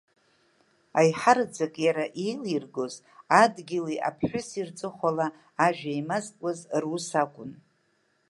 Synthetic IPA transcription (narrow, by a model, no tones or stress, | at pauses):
ajħard͡zakʼjaɾaʔijlirɡoz | adɡʲɪliʔa̰pʰħᶣʊsirt͡sʼɨχʷalaː | ʒᶣaimazkʷʼazrusakʷʼʊn